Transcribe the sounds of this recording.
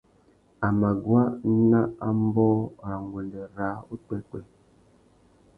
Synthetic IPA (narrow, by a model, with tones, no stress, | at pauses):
a˨ma˨ɡwa˦n̩˦na˦a˦m̩˦bɔ˦˨a˨ŋ˨ɡwe˨ndə˨ɾa˨˦u˦tɛ˦kwɛ˨